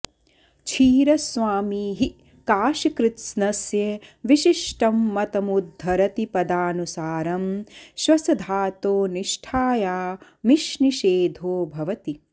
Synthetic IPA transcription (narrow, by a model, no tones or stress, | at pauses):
t͡ʃʰiːɾɐsʋaːmiːɦi | kaːʃɐkɾɪt̪snɐsjɐʋiʃiʃʈɐmːɐt̪ɐmud̪ʱːɐɾɐt̪ipɐd̪aːnusaːɾɐmʃʋɐsɐd̪ʱaːt̪oːniʃʈʰaːjaː | miʃniʃeːd̪ʱoːbʱɐʋɐt̪i